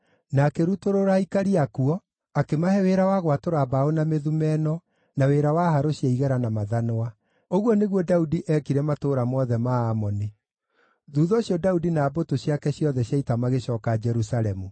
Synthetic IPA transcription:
nakeɾutoɾoɾaikaɾiakuɔ | akemahɛweɾawaɣwatoɾabaonameðumɛnɔ | naweɾawahaɾoɕjaiɣɛɾanamaðanoa | oɣwɔneɣwɔdaudiʔɛkiɾɛmatoːɾamɔðɛmaːmɔne | ðuːðɔːɕjɔdaudinaːbotoɕjakɛɕjɔðɛɕaitamaɣeɕɔːkad͡ʒɛɾusaɾɛmu

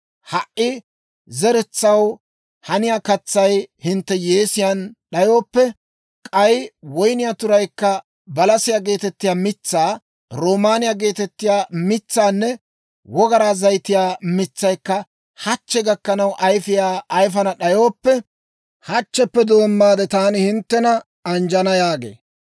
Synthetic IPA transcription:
hɐʔʔːɪ | zɛɾɛt͡sːɐw | hɐnɪjakɐt͡sːɐjhɪnt̪ːɛjeːsɪjanɗɐjo̞ːpːɛ | kʼɐjwɔjnɪjat̪ʊɾɐjkːɐ | bɐlɐsɪjaːɡe̞ːt̪ɛt̪ːɪjaːmɪt͡sːaː | ɾoːmaːnɪjaːɡe̞ːt̪ɛt̪ːɪjaːmɪt͡sːaːnːɛ | wɔɡɐɾaːzɐjt̪ɪjaːmɪt͡sːɐjkːɐ | hɐt͡ʃːɛɡɐkːɐnɐwʔɐjfɪjaːʔːjfɐnɐɗɐjo̞ːpːɛ | hɐt͡ʃːɛpːɛd̪oːmːaːd̪ɛt̪aːnɪhɪnt̪ːɛnɐ | ɐnd͡ʒɐnɐjaːɡḛː

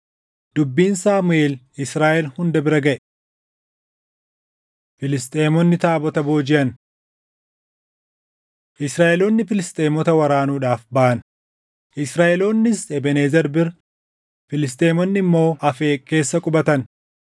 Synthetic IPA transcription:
d̪̥ʊbːiːnsaːmʊeːl | ɪsɾaːʔɛlhʊnd̪ɐbɪɾɐɡɐʔɛ | fɪlɪst̪ʼeːmɔnːɪt̪aːbɔt̪ɐboːd͡ʒɪʔɐn | ʔɪsɾaːʔɛloːnːɪfɪlɪst̪ʼe̞ːmɔt̪ɐwɐɾaːnuːᶑaːfbaʔɐn | ʔɪsɾaːʔɛloːnːɪsɛbɛneːzɛɾbɪɾ | fɪlɪst̪ʼeːmɔnːɪmːo̞ːɐfeːke̞ːsːɐkʼʊbɐt̪ɐn

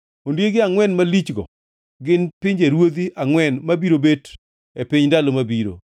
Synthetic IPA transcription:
ondjeɡɪaŋwɛnmalit͡ʃɡɔ̰ | ɡɪnpɪɲd͡ʒeɾwod̪iʔaŋwɛnmabiɾobet | epɪɲdalomabiɾo̰

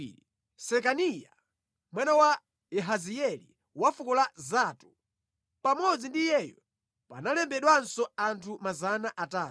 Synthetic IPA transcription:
i | sɛkanija | mwanawa | ɛɦaziɛlḭ | wafukɔlazaːtu | pamɔd͡zindijɛjɔ | pa̰nalɛmbɛɗwansɔantʰumazanaʔataː

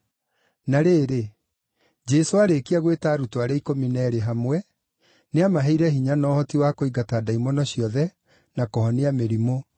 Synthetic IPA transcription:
naɾeːɾe | d͡ʑɛsoaɾekiaɣwetaːɾutoaɾaikominɛːɾeɦamwɛ | neamaɦɛiɾɛhiɲanɔːhɔtiwakoiɣataːdaimɔnɔɕjɔðɛ | nakɔhɔneameɾimo

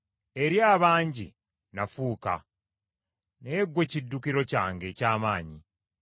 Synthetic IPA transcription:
e̞ɾjaːβaːɲɟḭ | nafuːka̰ | neːɡːwe̞cidːukiɾo̞ca̰ːŋɡe̞caːmaːɲi

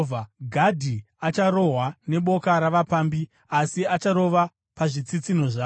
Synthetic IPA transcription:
aɡʱadʱi | at͡ʃaɾo̞ɦwane̞ɓo̞kaɾaʋapaːmbi | asiat͡ʃaɾo̞ʋa | paʐit͡sit͡sino̞ʐaː

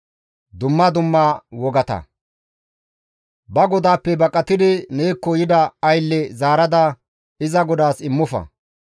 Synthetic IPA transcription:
d̪ʊmːɐd̪ʊmːawɔɡɐt̪ɐ̰ | bɐɡɔd̪aːpːɛbɐkʼːɐt̪ɪd̪ɪneːkːɔjɪd̪ɐːjlːɛzaːɾɐd̪ɐ | ɪzɐɡɔd̪aːsɪmːʊfɐ̰

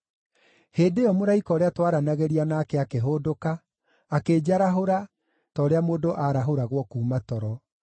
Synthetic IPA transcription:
heːndeɔmoɾaikɔːɾeatwaɾanaɣeɾianaːkɛakeɦoːdokaː | keːd͡ʑaɾaɦoɾa | tɔːɾeamoːdoʔaɾaɦoɾaɣwɔkuːmatɔɾɔ

